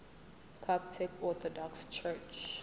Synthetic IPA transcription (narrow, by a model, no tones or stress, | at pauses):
kʰaptʰɛkɔt̪ʰɔdɔkst͡ʃʰɛt͡ʃ